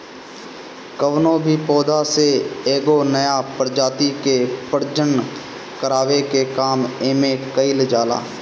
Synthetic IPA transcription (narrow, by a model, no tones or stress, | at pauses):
kəʋnõbʱipɔːd̪aseeːɡonəjapəɾd͡ʒaːt̪ikepəɾd͡ʒəɳ | kəɾaːʋekekaːmeːmẽkəild͡ʒaːla̰ː